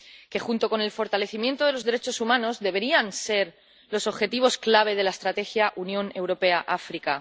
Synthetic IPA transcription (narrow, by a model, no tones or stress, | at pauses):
ke̞xunt̪o̞ko̞ne̞lfo̞ɾt̪ale̞θimjent̪oðe̞lo̞zðe̞ɾe̞t͡ʃo̞sumãno̞zðe̞βe̞ɾianse̞ɾ | lo̞so̞βxe̞t̪iβ̞o̞sklaβ̞e̞ð̞e̞laest̪ɾat̪e̞xjaʔunjõ̞ne̞wɾo̞pe̞aʔafɾika